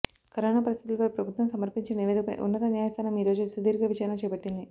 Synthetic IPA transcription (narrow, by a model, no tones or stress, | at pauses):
kɐɾoːnaːpɐɾist̪i̥t̪ulɐpɐjpɾɐbʱut̪ʋɐmsɐmɐɾpiɲt͡ʃenid̪̰ṵnːɐt̪ɐnjaːjɐst̪ʰaːnɐmiːɾo̞ːd͡ʒusud̪ʱiːɾɡɐʋit͡ʃaːɾɐnɐt͡ʃɛːbɐʈːind̪i